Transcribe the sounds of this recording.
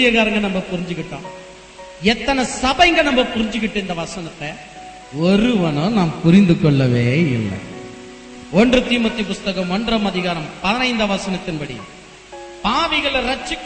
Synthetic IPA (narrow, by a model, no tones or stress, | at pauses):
ɪjɐɣaːɾɐŋɡɐnɐmbɐpʊɾɪɲd͡ʒɯkːɪʈːõ̰ː | ɛt̪ːɐnɐsɐbɐɪŋɡɐɭnɐmbɐpʊɾɪɲd͡ʒɯkːɪʈːɯɪnd̪ɐʋɐsɐnɐt̪ːɐ | ɔɾɯʋɐnõːnaːmpʊɾɪnd̪ɯkːɔɭːɐʋeːɪ̰lːɐ̰ | ɔndrɯt̪iːmɐt̪ːipʊst̪ɐkɐmɔndrɐmɐðɪɣaːɾɐmpɐðɐnɐɪnd̪ɐʋɐsɐnɐt̪ːɪnbɐɽḭ | paːʋɪɣɐɭɐɾɐt͡ʃːɯkː